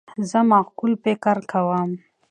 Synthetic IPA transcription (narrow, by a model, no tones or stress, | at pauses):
zəmaxkulpekaɾkawam